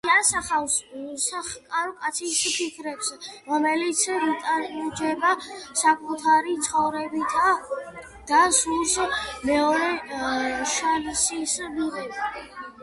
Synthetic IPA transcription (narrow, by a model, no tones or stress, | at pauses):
asaχawssaχkʼaɾɔkʼat̪sʰispʰikʰɾɛpsɾɔmɛlit̪sʰvit̪ʼaɾbid͡ʒɛbasakʼut̪ʰaɾit̪sʰχɔvɾɛbit̪ʰa | d̪̥asulsmɛɔɾɛ | ʃaɾsisbiʁɛ